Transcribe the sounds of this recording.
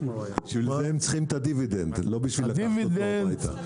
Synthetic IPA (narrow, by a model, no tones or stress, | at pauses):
iʃvilzeemt͡sχimt̪ad̪ivid̪ent̪lobiʃviladvidejt̪a̰